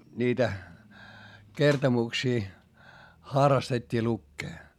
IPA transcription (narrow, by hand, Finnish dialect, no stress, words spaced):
niːtæ kertomuksiː xɑrːɑstetʲːiː lukːeː